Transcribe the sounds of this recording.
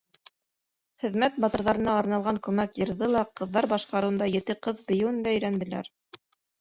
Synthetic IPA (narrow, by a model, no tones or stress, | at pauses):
χɘ̆ðmæt̪̚bɑt̪ɤ̆ɾðɑɾɤ̆nɑːɾnɑlˠʁɑŋkʉmækjɤ̆ɾðɤlˠɑqɤ̆ðːɑɾbɑʃqɑɾɤ̆wɤ̆nd̪ɑjɘ̆t̪ɘqɤðbɘ̆jɘ̆wɘnd̪æɵ̆jɾænd̪ɘ̆læ̰ɾ